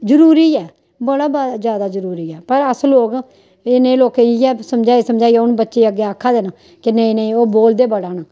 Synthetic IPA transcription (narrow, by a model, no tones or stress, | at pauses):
zəɾuːɾiːɛː | bəɽaːbad͡ʒjaːd̪aːzəɾuːɾiːɛːpəɾəsloːk | ɪnẽːloːkeiɛːsəmd͡ʒaːeːsəmd͡ʒaːiɛʊnbətːʃeːəɡeːaːkʰːaːd̪eːnaː | kɪnẽnẽoːboːld̪eːbəɽaːnaː